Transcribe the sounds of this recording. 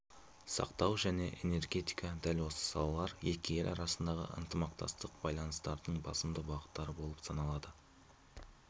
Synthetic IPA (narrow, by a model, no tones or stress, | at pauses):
sɑ̰qt̪ɑwʒæne̞ʔe̞̰ne̞rɡʲe̞t̪ʲi̥jkɑd̪ælwo̞sə̥sɑ̰lˠɑlˠɑɾjekʲeɾʔɑ̰ɾɑsənd̪ɑʁə̰ʔə̰nt̪əmɑq̚t̪ɑ̰st̪əq̚b̥ɑjlˠɑnəst̪ɑɾd̪əɴbɑsəmd̪əbɑʁət̪ːɑɾəbo̞lˠəpsɑnɑlˠɑd̪ə